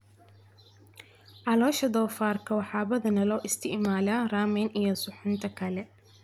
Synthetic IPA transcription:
ʕɑlɔːʃɐd̪ɔːfaːrkʰɐwɑħɑːβɐðɐnɐlɔːʔɪst̪ʰɪʕmaːlaːraːmɛnʔijɔsʊħʊnt̪ʰɐkʰɐlɛ

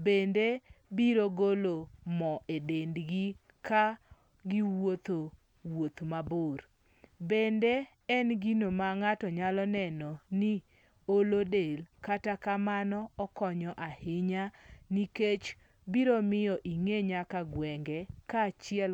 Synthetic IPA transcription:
bendebiɾoɡolomɔʔedendɡi | ka | ɡiwot̪o | wot̪mabor | bende | ɛnɡinomaŋatɔɲalɔnɛnɔnɪ | olodelkatakamanɔɔkɔɲɔʔahɪɲaniket͡ʃ | biɾomɪjɔʔiŋeɲakaɡwɛŋɡɛkat͡ʃɪɛl

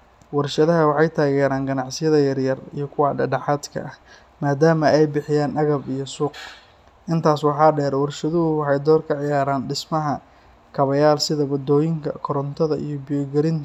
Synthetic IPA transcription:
wɐrʃɐðɐɦɐwɑħɑjt̪ʰaːɣɛːɾaːnɡɐnɑʕsɪjɐðɐjɐrjɐrḭjɞkʰʊwɑɖɛɖɐħɑːd̪kʰɐ̰ʔɐ | maːd̪aːmɐʔɛjbɪħɪjaːnʔɐɣɐbijɔsuːq | ʔɪnt̪ʰaːswɑħɑːɖɛːɾwɐrʃɐðʊɦʊwɑħɑjd̪ɔːrkʰɐʕɪjaːɾaːnɖɪsmɐɦɐ | kʰɐβɐjaːlsɪðɐwɐd̪ɔːjɪŋkʰɐ̰kʰɔɾɔnt̪ʰɐðɐʔḭjɔbɪjɔɡɐɾɪnt̪

